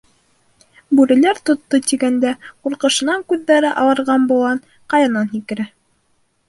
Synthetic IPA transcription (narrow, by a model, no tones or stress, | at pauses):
bʉɾɘ̆læɾt̪ŏt̪ːot̪iɡænd̪æquɾqɤ̆ʃɤ̆nɑŋkʉðːæɾɘʔɑw̪ˠɤ̆ɾʁɑnbulˠɑn | qɑjɑnɑnɦikɘ̆ɾæ